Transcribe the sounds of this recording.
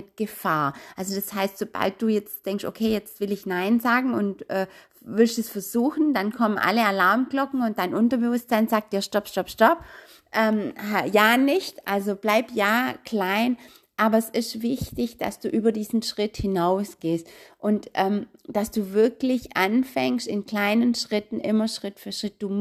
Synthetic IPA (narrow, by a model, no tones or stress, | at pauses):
ɪt̚ɡ̥əfaːɐʔalzod̥ashaɪstz̥oba̰lt̚d̥uːjɛt͡std̥ɛŋkstʔo̰kʰeːjɛt͡stv̥ɪlɪçnaɪnzaːɡŋ̩ʊntʔɛː | vɪlstɛsfɛɐzuːxn̩dankʰɔmənʔa̰ləalaɐmklɔkŋ̩ʊnt̚d̥aɪnʔʊntɐbəvʊstz̥aɪnzaːk̚td̥iːɐʃtɔpʃtɔpʃtɔp | ʔɛːmhajaːnɪçtʔalzob̥laɪptjaːkl̥aɪn | ʔaːbɐɛsɪʃtvɪçtɪçd̥a̰sd̥uːʔyːbɐdiːzn̩ʃʁ̥ɪthɪnaʊsɡ̥eːstʔʊntʔɛːm | d̥asd̥uːvɪɐklɪçʔanfɛŋstɪnkl̥aɪnənʃʁ̥ɪtn̩ʔɪmɐʃʁ̥ɪtfyːɐʃʁ̥ɪt̚d̥uːm